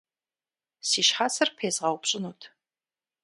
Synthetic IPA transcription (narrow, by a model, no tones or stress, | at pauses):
siːʃħasɐrpʰeːzʁɑwpɕʼɪnuːtʰ